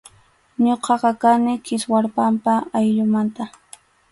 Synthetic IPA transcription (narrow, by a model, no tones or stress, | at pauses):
ɲoqɑqɑkanɪkɪswaɾpampaajʎʊmant̪a